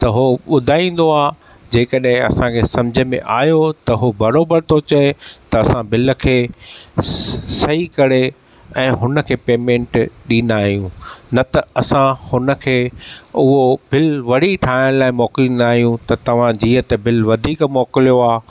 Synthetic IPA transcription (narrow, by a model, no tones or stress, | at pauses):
t̪ɐɦoɓʊd̪ʱaːĩːn̆d̪oaː | d͡ʑeːkɐɗɦɪ̃ɐ̰sãkʰeːsɐ̃md͡ʑʱə̆mḛ̃ʔaːɦjot̪ɐɦobɐɾoːbəɾt̪ʰot͡ɕɐet̪ɐːsãbɪlə̆kʰeː | sɐɦikɐɾe | ɛ̃ːɦʊnə̆kʰeːpeːmẽːɳʈɗĩːn̆d̪aːɦijũnɐt̪ɐɐsãhʊnə̆kʰeːʊɦobɪlʋɐɽ̤iʈʰaːɪɽ̃laːɪmɔːklĩnaːɦijũt̪ɐt̪ɐʋ̤ãd͡ʑiːət̪ɐbʱɪlʋɐd̪ʱiːkmɔːkɪlijoaː